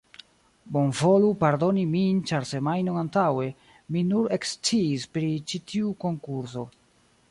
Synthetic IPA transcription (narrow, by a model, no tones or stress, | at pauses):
bo̞nvo̞lupaɾdo̞nimint͡ʃaɾse̞majnoantawe̞ | minuɾekst͡siːspɾit͡ʃitʰiuko̞ŋkuɾso̞